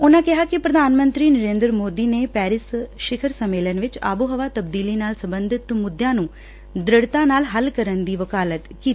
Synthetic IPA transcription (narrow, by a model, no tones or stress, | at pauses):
ʊnãːkɪɦaːkɪpɾəd̪aːnmə̃nt̪ɾiːnəɾeːnd̪ɾmoːd̪iːneːpɛːɾɪsʃɪkʰəɾsəmːeːlənʋɪt͡ʃa̰ːbuɦəʋaːt̪əbd̪iːliːnaːlsəmbənd̪ʱɪt̪mʊd̪jãːnũː | d̪ɾəɽt̪ãːnaːlɦəlkəɾənd̪iːʋəkaːlət̪kiːt̪i